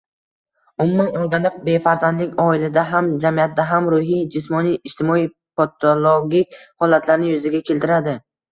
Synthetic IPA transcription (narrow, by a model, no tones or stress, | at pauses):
ʊmʊmanɒlˠɡʲand̪abe̞faɾzand̪lɪkʲɒɪlad̪aɦamd͡ʒamijat̪̚d̪aɦamɾʊɦijd͡ʒɪsmɒnijɪʃt̪ʰɪmɒij | pot̪ʰolˠoɡʲikʲhɒlat̪ʰlaɾnɪjʊzɪɡʲakʲʰe̞lt̪ʰɪɾad̪ɪ